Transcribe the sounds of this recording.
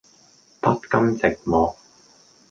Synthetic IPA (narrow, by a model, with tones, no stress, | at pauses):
pɐ˥t̚kɐ˥mt͡sɪ˨k̚mɔː˨k̚